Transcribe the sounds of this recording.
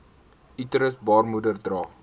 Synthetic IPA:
ʔitɾəsbɑːrmudərdrɑː

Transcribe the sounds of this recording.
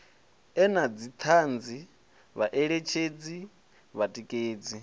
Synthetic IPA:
ɛnad͡zit̪ʰand͡zi | βaʔɛɺet͡ʃʰed͡zi | βatʼikʼeːd͡zi

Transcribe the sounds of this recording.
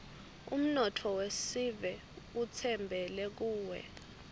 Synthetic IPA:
ṵm̩nɔtʰɔwesivɛ | ut͡sʰɛmbʱɛlɛk̬uːwɛ̰

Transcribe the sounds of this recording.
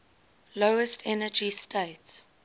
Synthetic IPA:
loʊəstʰɛnəd͡ʒistʰeɪts

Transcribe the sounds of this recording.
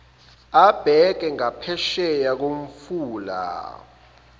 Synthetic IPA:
ab̥ʱɛk̬ɛŋapʰɛʃɛjak̬oɱ̩fuːla̰

